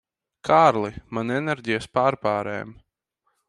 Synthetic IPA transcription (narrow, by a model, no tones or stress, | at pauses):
kʰaːɾlˠimanɛnɛɾʲɟʲijaspaːɾpaːɾɛ̰ːm